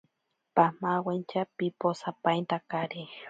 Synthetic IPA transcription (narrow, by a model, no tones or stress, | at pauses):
pamawent͡ʃapiposapajnt̪akaɾi